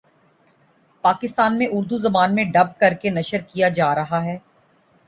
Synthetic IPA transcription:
paːkɪst̪aːnmẽʔʊɾd̪uzɐbaːnmẽɖɐb̚kɐɾkenɐʃəɾkijad͡ʒaːɾɐɦaɦɛː

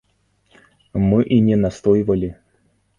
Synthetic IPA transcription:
mɨʔinʲɛnast̪ojɪvəlʲɪ

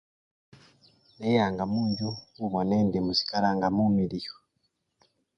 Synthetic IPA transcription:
nejaŋɡamuːɲɟuuβɔnendemusi̥kaɾaŋɡamumiɾijo̥

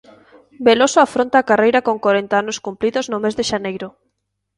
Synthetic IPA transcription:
belosoafɾont̪aːkarejɾakoŋkwoɾent̪aanoskumpliðoznomezðeʃanejɾʊ

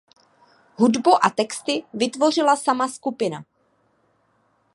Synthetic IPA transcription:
ɦudbuʔat̪ɛkst̪ɪvɪt̪vo̞r̝ɪlasamaskupɪna̰

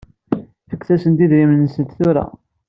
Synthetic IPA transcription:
θəkːθæsənt̪iðɾimnːəsət̪θʊɾa̰

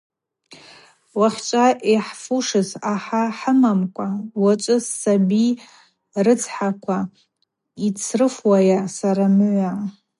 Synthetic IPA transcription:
waχʲt͡ʃʷʼaʔiħfuʂɨzaħaħəmamkʷʼawat͡ʃʷʼɨsːabi | rɨt͡sʰħakʷʰa | it͡sʰrɨfwajasaɾamʕʷaʕ

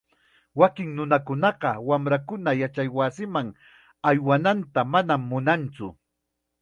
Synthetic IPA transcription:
wakɪŋnʊnakʊnɑɢɑwamɾakʊnajat͡ʃajwasɪmaŋ | ajwanant̪amanamːʊnant͡sʊ̰

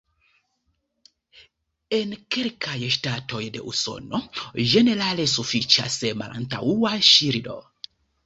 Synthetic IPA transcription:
enkelkʰajʃtato̞jdḛʔṵso̰noʒeneɾalesufit͡ʃa̰sema̰lʔa̰nta̰wuaʃiɾdo̰

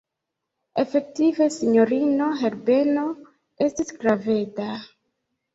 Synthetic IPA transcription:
efe̞k̚tive̞siɲo̞ɾino̞ɦeɾbe̞no̞ | e̞stisɡɾaveta

